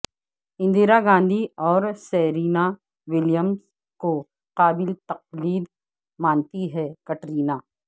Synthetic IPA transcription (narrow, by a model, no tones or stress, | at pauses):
ɪ̃nd̪iːɾaɡãːnd̪ʱiɔːɾsɛːɾiːna | wɪljəms | ko | qaːbɪlt̪ɐq̚liːd̪ | mãːnt̪iɦɛkɐʈɾiːnaː